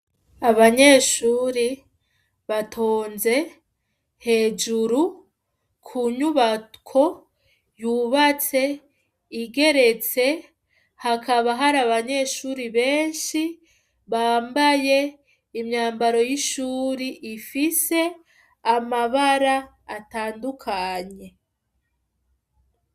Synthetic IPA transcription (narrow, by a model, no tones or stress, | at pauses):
aβaɲe̞ːʃuːɾi | βatʰo̞ːnze̞ | he̞ːd͡ʒuɾu | kʰuɲuβakʰo̞ | juβat͡se̞ | iɡe̞ɾe̞t͡se̞ | hakaβaɦaɾaβaɲe̞ʃuːɾiβeːnʃi | βaːmbaje̞ | imɲaːmbaɾo̞jiʃuːɾiʔifise̞ | amaβaɾaː | taːndukʰaɲe̞